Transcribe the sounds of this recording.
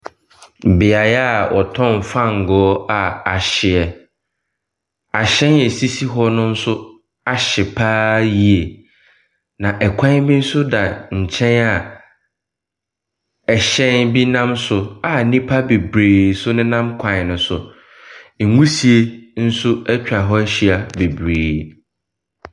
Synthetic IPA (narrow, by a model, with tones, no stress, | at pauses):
bɪ˨a˨jɛ˦a˨wɔ̰˨tʰɔ̃˦˨m˨fã˦ŋ̩˨ɡɔː˨˦a˨a˨ɕɪ˨ɛ˨ | a˨ɕɛ̃˦nɛ˨si˦si˦ɦɔ˦nʊ̃˦n̩˦sʊ˦ | a˨ɕɪ˨pʰaː˦ji˦˨e˨ | nã˨ʔɛ˨kʰʷã˦bĩ˦n̩˦sʊ˦da˨ɲ̩˨t͡ɕʰɛ̃˦na˨ | ɛ˨ɕɛ̃˦nbi˦nã˦msʊ˨a˨nĩ˦pʰa˦be˨bɾeː˨sʊ˦nʊ̃˦nã˦mkʷʰã˨nʊ̃˨sʊ˨ | ŋ̩˨ŋũ˦si˨e˦n̩˦sʊ˦ɛ˦t͡ɕᶣa˨ɦɔ˦ɕi˦a˨be˨bɾeː˨